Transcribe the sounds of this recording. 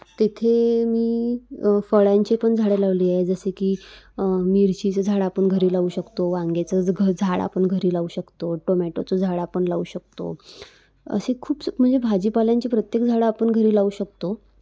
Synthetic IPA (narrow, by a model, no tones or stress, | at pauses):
t̪et̪ʰemiː | fəɭjaɲt͡ɕipəɳd͡zʱaɽelaʋliːaɦed͡zəsekiː | miːɾt͡ɕit͡səd͡zʱaɽapəɳɡʱəɾiːlauːɕəkt̪oʋãŋɡet͡səɡʱəd͡zʱaɭa̰pəɳɡʱəɾiːlauːɕəkt̪oʈomɛʈot͡sod͡zʱaɽapəɳlauːɕək̚t̪o̰ | ə̰sekʰuːpm̤əɳd͡zebʱad͡ʑiːpaljaɲt͡ɕipɾət̪jekd͡zʱaɭapəɳɡʱəɾiːlauɕək̚t̪o